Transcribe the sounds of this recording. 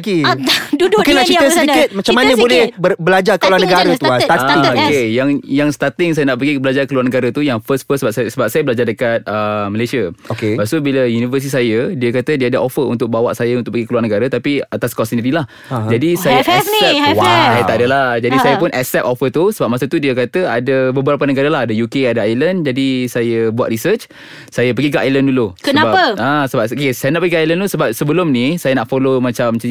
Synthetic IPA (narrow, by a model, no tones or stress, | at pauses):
ɡidudmukɪnlaht͡ʃit̪əsikɪt̪̚mat͡ʃamanəbolɛhbəbəlad͡ʒarkəluanəɡaɾət̪t̪akejaŋjaŋst̪at̪ɪŋsajənaʔpəɡibəlad͡ʒaɾkəluarnəɡaɾat̪ujaŋfəstfəsəbap̚sasəbap̚sajəbəlad͡ʒardəkat̪̚əməlasiaokebasubiləjunifəs̬t̪is̬ajədiəkat̪ədiəadaʔofəunt̪ʊk̚bawa̰ʔsajaunʊk̚pəɡikəluarnəɡaɾat̪apiat̪askɔsiniɾilah | d͡ʒadisajaɛsiɛwat̪aadalahd͡ʒadisajəpʊnʔɛsɛp̪̚ofət̪usəbap̚masət̪udiəkat̪əadəbəbəɾap̬ənəɡaɾəlaɦadəjukeadaajlənd͡ʒadisajəbua̰t̪ɾisət͡ʃ | sajəp̬əɡikaʔajlənduluskəənabapəãsəbap̚kesajənaʔpəɡikʔajlənt̪usəbap̚səbəlʊmnisajənaʔfolomat͡ʃamt͡ʃ